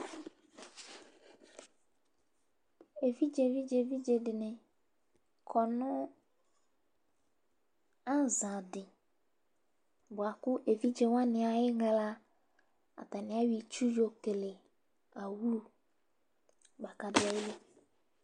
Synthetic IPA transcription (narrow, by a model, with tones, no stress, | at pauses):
e˨vi˦d͡ʒe˨vi˦d͡ʒe˨vi˦d͡ʒe˨dɪ˨nɪ̃˨ | kʰɔ˨nʊ̃˦ | ã˦zã˨dɪ˨ | bʊ˨a˨kʊ˦ʔe˨vi˦d͡ʒe˨wã˦nɪ̃˨a˨jɪ˦ɡa˨la˦ | a̰˨t̪a˨nɪ̃˨˦a˦ɥi˨t͡ʃu˦jo˨ke˨le˨ | a˨wu˦ɾu˦ | ba˨ka˨dɪ˦a˨˦jɪ˦le˦